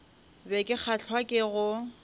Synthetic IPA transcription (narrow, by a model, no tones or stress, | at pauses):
bɛkʼɪk͡xʰaɬʰwakʼɪɣʊ